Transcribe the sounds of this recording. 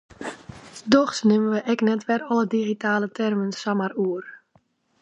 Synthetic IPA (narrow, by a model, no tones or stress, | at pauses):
dɔxsnɪməʋəʔɛknɛtʋɛrɔlədiɣitaːlətʰɛrmənsamaruər